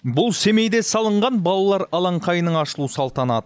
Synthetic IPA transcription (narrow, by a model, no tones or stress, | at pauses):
bʊlˠse̞me̞jd̪e̞sɑlˠəɴʁɑnbɑlˠɑlˠɑɾɑlˠɑɴqʰɑjnəɴɑʃəlˠusɑlˠt̪ɑnɑd̪ə